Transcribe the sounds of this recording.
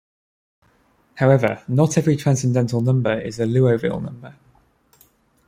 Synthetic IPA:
haʊɛvənətʰɛvɹitʰɹ̥ãnsɛ̃ndɛ̃ntʰəlˠnʌ̃mbəɹɪ̰zəlʉːəʊvɪ̰lˠnʌ̰̃mbə

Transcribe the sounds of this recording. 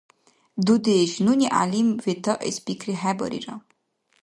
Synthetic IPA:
d̪ud̪eʃnunʲiʔa̰limvet̪ɔʔḛspikɾiɦɛbɔ̰ɾḭɾɔ

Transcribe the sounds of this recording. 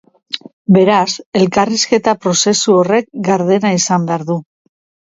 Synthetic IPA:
be̞ɾase̞lkariske̞t̪apɾo̞se̞suo̞re̞k̚ɡaɾðe̞naisambeaɾðu

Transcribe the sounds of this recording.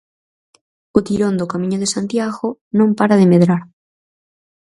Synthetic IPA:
ot̪iɾond̪okamĩɲoðesant̪jaɣonõmpaɾaðemeðɾaɾ

